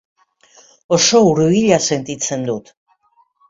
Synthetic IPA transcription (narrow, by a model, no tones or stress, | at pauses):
oso̞uɾuβiʎase̞nt̪it͡se̞nd̪ut̪